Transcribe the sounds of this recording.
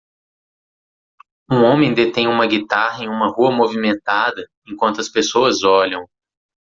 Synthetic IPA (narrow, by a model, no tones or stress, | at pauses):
ũõmẽj̃d̪et̪ẽj̃ũmɐɡit̪aɦɐẽj̃ũmɐɦuɐmovimẽnt̪ad̪ɐ | ẽkwɐ̃nt̪ʊɐspesoɐzɔʎɐ̃w̃